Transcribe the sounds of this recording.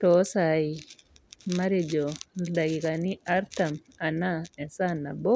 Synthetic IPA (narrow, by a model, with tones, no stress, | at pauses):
tɔ˦sai | ma˦ɾe˨d͡ʒo˨da˨ɡi˨kani˦a˦ɾta˨m | a˨naɛ˨nsana˨bɔ˦